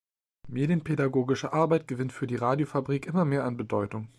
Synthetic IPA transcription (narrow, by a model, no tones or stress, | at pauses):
meːdjənpʰedaɡoːɡɪʃəʔaɐbaɪt̚ɡ̥əvɪntfyːɐdiːʁaːdjofabʁiːkʔɪmɐmeːɐanbədɔʏtʊŋ